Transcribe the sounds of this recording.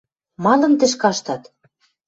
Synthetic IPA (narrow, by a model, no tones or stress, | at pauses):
mɑnɤ̆nt̪ɘ̆ʃ̬kɑʃt̪ɑt̪